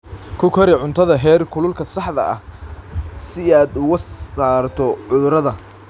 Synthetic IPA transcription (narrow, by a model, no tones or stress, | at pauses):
kʰʊkʰɐɾɪʕʊnt̪ʰɐðɐɦɛːrkʰʊlʊlkʰɐsɑħðɐ̰ɐ̰h | sɪaːd̪ʊɣɐaːrt̪ʰɔʕʊðʊɾɐðɐ